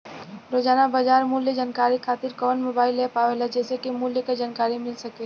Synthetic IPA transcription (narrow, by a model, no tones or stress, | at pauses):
ɾoːd͡ʒaːnabad͡ʒaːɾmuːljəd͡ʒaːnkaːɾikʰaːt̪ɪɾkɔːnmoːbaːɪlːepaːʋelɛd͡ʒɛːsekimuːljəkad͡ʒaːnkaːɾimɪlsɐke